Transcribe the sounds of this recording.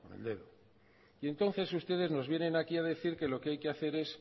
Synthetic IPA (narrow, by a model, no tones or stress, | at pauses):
koneld̪e̞ðo | ie̞nt̪o̞nθe̞sust̪e̞ðe̞zno̞zβje̞nẽ̞nakiaðe̞θiɾke̞lo̞keajkeaθe̞ɾe̞s